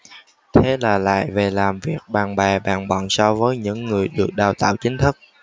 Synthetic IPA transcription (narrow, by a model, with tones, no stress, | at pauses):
t̪ʰe˨˦laː˨˩la̰ː˧˨jve˨˩laː˨˩mvi˨˩ək̚ɓaː˨˩ŋɓaː˨˩ɓa̰ː˨˩ŋɓɔ̰˧˨nsɔ˧vəː˨˦jɲɨ̰˧˥ŋːɨ˨˩əjɗɨ˨˩ək̚ɗaː˨˩wt̪a̰ː˧˨wt͡ɕï˨˦ŋ̟t̪ʰɨ˦˥k̚